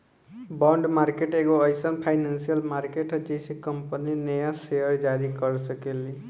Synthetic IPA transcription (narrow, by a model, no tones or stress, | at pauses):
bɔɳɖmaɾkeʈeɡoʌjsʌnpʰajnansijʌlmaɾkeʈʌd͡ʒesikʌmpəninʌjasejʌɾd͡ʒaɾikʌɾsʌkeli